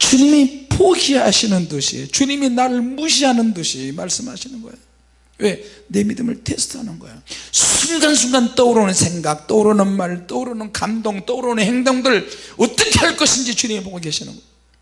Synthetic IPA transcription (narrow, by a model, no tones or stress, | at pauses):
t͡ɕuɲimipoɡiɦaɕʰinɯnduɕʰḭt͡ɕuɲiminaɾɯɭmuɕ̬ʰiɦanɯnduɕʰimaɭs͈ɯmha̰ɕʰinɯnɡʌejo | we̞ne̞midɯmɯ̰ɭtʰesʰtʰɯɦanɯnɡʌ̰ḛjosʰuŋɡans̬ʰuŋɡant͈ʌuɾonɯnsʰe̞ŋɡak̚t͈ʌuɾonɯnmaɾt͈ʌɾonɯnkamdoŋt͈ʌuɾonhe̞ŋdoŋdɯɭʌt͈ʌkʰeɦhaɭk͈ʌɕʰind͡ʑit͡ɕuɲimipoɡoɡiaɕʰinɯ̰nɡʌo